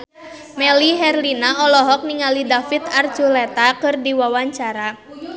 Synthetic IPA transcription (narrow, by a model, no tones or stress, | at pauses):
mɛliɦɛrlinaɔlɔɦɔk̚niŋalidafit̪ard͡ʒulɛt̪akɨrdiwawaɲt͡ʃaɾa